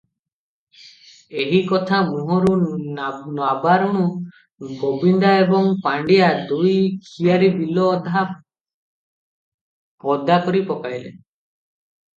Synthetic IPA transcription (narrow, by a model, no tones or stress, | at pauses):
eɦikɔt̪ʰamuɦɔɾu | nabaɾɔɽ̃u | ɡobind̪aebɔŋpaɳɖijad̪ujkʰijaɾibilɔːd̪ʱa | pɔd̪akɔɾipɔkajlḛ